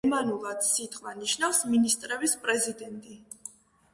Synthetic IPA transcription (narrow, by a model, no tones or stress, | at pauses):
manulˠat̪sit̪ʼqʼwaniʃnavfsminist̪ʼɾɛbispʼɾɛzid̪ɛnt̪ʼi